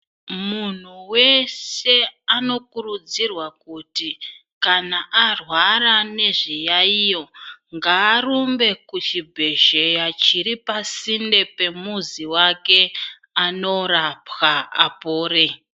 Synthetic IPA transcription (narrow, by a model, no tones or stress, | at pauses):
mun̤uwe̞se̞ano̞kurud͡zirwakuti | kanaʔarwaɾane̞ʐijaijo̞ŋɡaːɾumbe̞kut͡ʃibʱe̞ʒejat͡ʃiɾipasinde̞pe̞muziwake̞ | ano̞ɾapxaa̰poːɾe